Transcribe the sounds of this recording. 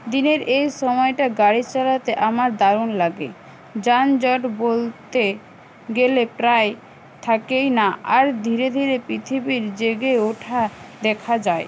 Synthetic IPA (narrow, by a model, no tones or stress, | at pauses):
d̪ineɾʔejʃɔmɔeʈaɡaɽit͡ɕalat̪eʔamaɾd̪aɾunlaɡe | d͡ʑand͡ʑɔʈbolt̪e | ɡelepɾaj | t̪ʰakejnaaɾd̪ʱiɾed̪ʱiɾepɾit̪ʰibiɾd͡ʑeɡeoʈʰad̪ɛkʰad͡ʑae